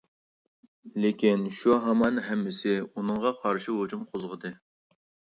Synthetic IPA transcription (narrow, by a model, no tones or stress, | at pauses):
lekʲinʃuɦɑmɑnɦɛmːɪsɪunɨŋʁɑqʰɑɾʃiɦod͡ʒumqʰozʁəd̪ɨ